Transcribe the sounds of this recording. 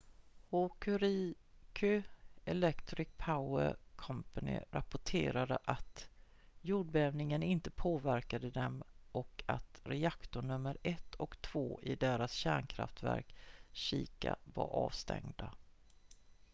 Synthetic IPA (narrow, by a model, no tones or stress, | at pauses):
hokʰɵɾikʰʏɛlɛkt̪ɾɪk̚pʰaʊəkʰɔmpanɪ̰ɾapʊʈʰeːɾad̪əʔat̪ | juːɖ̚bɛɛːvnɪŋənɪnt̪əpʰoːvæɾkad̪əd̪ɛmʔɔka̰t̪ɾɛakt̪ʊɳɵmːəɾɛt̪ʰːɔkt̪ʰv̥oːʔɪd̪eːɾasɕæːɳkʰɾa̰ft̪væ̰ɾkɕiːka̰va̰ɾʔɑːvst̪ʰɛ̰ŋd̪a